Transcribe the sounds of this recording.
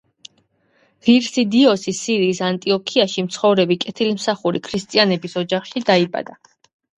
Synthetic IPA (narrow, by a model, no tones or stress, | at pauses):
ʁiɾsid̪iɔsisiɾiːsant̪ʼiɔkʰiaʃimt̪sʰχɔvɾɛbikʼɛt̪ʰilimsaχuɾikʰɾist̪ʼianɛbisɔd͡ʒaχʃid̪aibʼa̰d̪a